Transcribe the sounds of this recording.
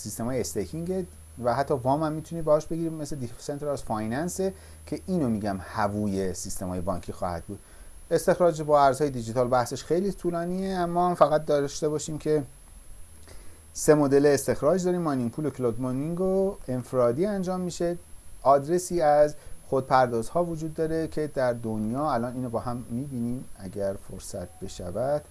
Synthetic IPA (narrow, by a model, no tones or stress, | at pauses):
sist̪e̞mɒːjeest̪ekʰiŋɡe | væhæt̪ʰːɒːvɒːmhæmːiːt̪ʰuniːbehɒːʃbe̞ɡiɾimesled̪ifse̞nt̪ʰɾæzfɒjnænse | cʰe̞ʔiːnomiːɟæmhævuːje̞sist̪e̞mɒ̰ːje̞bɒ̰ːŋcʰiːxɒ̰ːhæ̰d̪̚buːd̪̥ | e̞st̪e̞xɾɒːd͡ʒbɒːæɾzhɒːje̞d̪id͡ʒit̪ʰɒːlbæhseʃxe̞jliːt̪ʰulɒːniːeæmːɒːhæmfæɣæt̪̚d̪ɒːʃt̪e̞bɒːʃiːmcʰe̞ | se̞mod̪e̞leːst̪e̞xɾɒːd͡ʒd̪ɒːɾiːmːɒniŋɡ̚pʰuːlokʰlod̪moniŋɡoenfeɾɒːd̪iːænd͡ʒɒːmːiʃe̞ʔɒːd̪ɾe̞siːæzxod̪̚pʰæɾd̪ɒːzhɒːvod͡ʒuːd̪ːɒːɾe̞cʰe̞d̪æɾd̪onjɒːælɒːniːnobɒːɦæmːiːbiːniːmæɟæɾfoɾsæt̪̚ʰbe̞ʃæ̰væd̪̥